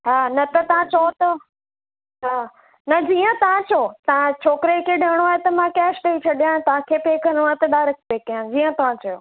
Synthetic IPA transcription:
ɦaːnɐt̪ɐt̪ɐʋ̤ãt͡ɕot̪ɐ | ɦaː | nɐd͡ʑiːə̃t̪ɐʋ̤ãt͡ɕoːt̪ɐʋãt͡ɕʰoːkɾekʰeːɗɐəɽ̃oaːɦet̪ɐmãkɛːsʈeit͡ɕʰɐɗijãẽt̪ɐʋ̤ãkʰeːpeːkʰɐnõaːt̪ɐɗaːɾɐk̚ʰpeːkɐjãd͡ʑiːə̃t̪ɐʋ̤ãt͡ɕɐjoː

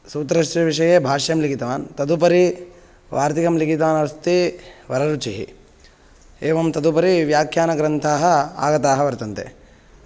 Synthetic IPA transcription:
suːt̪ɐɾɐʂʈɐʋiʂɐjeːbʱaːʂɐjɐmliɡit̪ɐʋaːnt̪ɐd̪upɐɾi | ʋaːɾt̪ikɐmliɡit̪ɐʋaːnɐʋɐst̪iʋɐɾɐɾut͡ʃiɦḭ | eːʋɐmt̪ɐd̪upɐɾiʋjaːkʰjaːnɐɡɾɐnt̪ʰaːɦɐa̰ːɡɐt̪aːɦɐʋɐɾt̪ɐnt̪ḛ

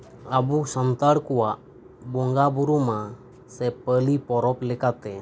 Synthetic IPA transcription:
abusant̪aɽkɔwaʔ | bɔŋɡabuɾuma | sɛpəlipɔɾɔplɛkat̪ɛ

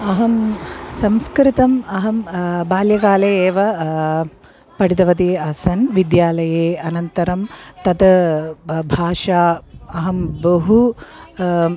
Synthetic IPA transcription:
ɐɦɐmsɐmskɾit̪ɐmɐɦɐmbaːljɐkaːleeːʋɐ | pɐɽid̪ɐʋɐd̪iɐsɐnʋid̪jaːlɐjeːɐnɐnt̪ɐɾɐmt̪ɐd̪ɐ | bʱaːʂaːɐɦɐmbɐɦu

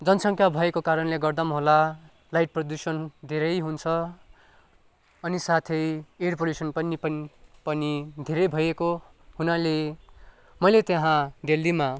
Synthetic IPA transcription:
d͡zʌnsʌŋkʰjabʱʌekokaɾʌnleɡʌrd̪ʌmɦola | lajʈ̚prʌd̪usʌnd̪ʱeɾʌjɦunt͡sʰʌ | ʌnisat̪ʰʌjerpoljusʌnpʌnipʌpʌnid̪ʱeɾʌjbʱʌjeko | hunale | mʌjlet̪jeɦãd̪elːima

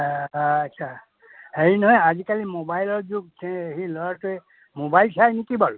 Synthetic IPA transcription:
tːsʰa | heɹinɔɦɔjazikalimobajlɔɹzuɡ̚sɛehilɔɹatʊɛ | mobajlsajnekibɔl

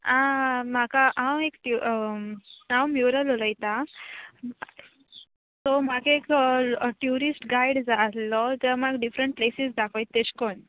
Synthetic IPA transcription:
ãmakaʔãwekʈu | ãwmjuɾəloləjt̪a | t̪ɔmakeekʈjuɾisʈɡajɽd͡zat̪lɔd͡zəmaɡɖifɾəɳʈ̚plesisd̪akɔjt̪ːeɕkon

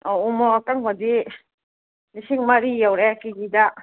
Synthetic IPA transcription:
ɔumɔakaŋɦɔdi | nisiŋmaɾijawɾɛkiɡida

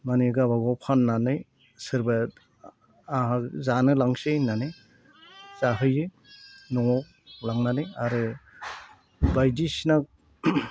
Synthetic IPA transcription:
maniɡaβaɡɔpʰanːanɯj | sɯɾba | aɦazanɯlaŋsenanɯ | zaɦɯjɯ | nɔ | laŋnanɯjaɾɯ | bajdisna

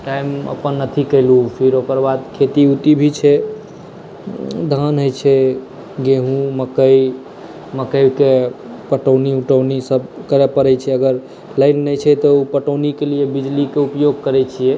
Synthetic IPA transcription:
ʈajmə̰pənːət̪ʰikəɪlupʰiɾokəɾbad̪kʰet̪iut̪ibʱit͡ʃʰɛ | d̪ʱanɦəjt͡ʃʰɛ | ɡeɦũməkəj | məkəjbke | pəʈəwniuʈəwnisəbkəɾepəɾɛt͡ʃʰɛəɡəɾ | ləjnːət͡ʃʰɛt̪ɔupəʈəwnikeliebid͡ʒlikeupjoɡ̚kəɾɛt͡ʃʰijɛ

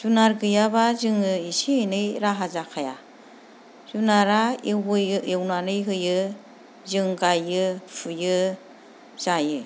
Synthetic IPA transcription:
z̥unaɾɡɯjabazɯŋɯisienɯjɾaɦazakʰaja̰ | z̥unaɾawɯjewnanɯjɦɯjɯ | zɯŋɡajɯpʰujɯ | z̥ajɯ

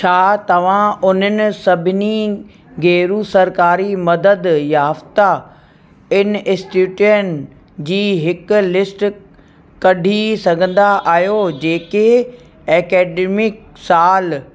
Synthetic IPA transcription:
t͡ɕʰaːt̪ɐʋ̤ãʊn̤ənɪ̆sɐbʱɪni | ɡeːɾusɐɾkaːɾimɐd̪əd̪jaːft̪a | ɪnʔɪsʈuːʈiənɪ̆ | d͡ʑiːɦɪkʊ̆lɪsʈ | kɐɖʱisɐɡʱə̃nd̪aʔaːɦjod͡ʑeːke | ɛːkɛːɖeːmɪk̚ | saːl

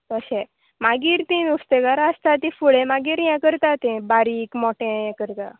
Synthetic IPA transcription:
t̪əɕɛ | maɡiːɾt̪inust̪ekaɾəst̪at̪ĩfuɭemaɡiːɾjɛ̃kəɾt̪at̪ẽbaɾikmɔʈẽjɛ̃kəɾt̪a

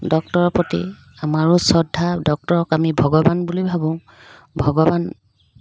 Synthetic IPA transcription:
dɔk̚tɔɹɔpɹɔtḭ | amaɹusɔdʱːadɔk̚tɔɹɔkamibʱɔɡɔbanbulijbʱabɔ̃ | bʱɔɡɔban

